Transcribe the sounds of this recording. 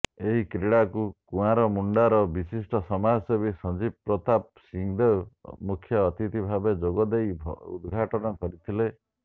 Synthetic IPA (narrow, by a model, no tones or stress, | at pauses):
eɦikɾeɽakukũãɾɔmuɳɖaɾɔbisisʈɔsɔmasebisɔd͡ʒibɾɔt̪ap̚ | siŋd̪ewmukʰjɔːt̪it̪ibʱabed͡ʒoɡɔd̪ejbʱṵd̪ɡʱaʈɔnɔkɔɾit̪ʰile